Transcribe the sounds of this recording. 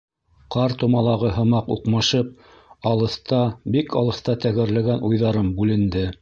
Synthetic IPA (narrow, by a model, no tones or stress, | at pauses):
qɑɾt̪umɑlˠɑʁɤɦɤ̆mɑqṵqmɑʃɤp̚ | ɑlˠɤ̆θt̪ɑbikʰɑlˠɤ̆θt̪ɑt̪æɡɘ̆ɾlæɡænujðɑɾɤmbʉlɘ̆nd̪ɘ